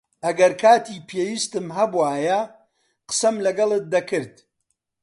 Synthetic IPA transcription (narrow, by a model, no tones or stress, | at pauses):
ʔɐɡɐɾkʰaːt̪ʰiːpʰeːwiːst̪ɨmɦɐbuwaːjɐ | qə̥sɐmlɐɡɐlˠɨt̪̚d̪ɐkʰɨɾd̪̥̚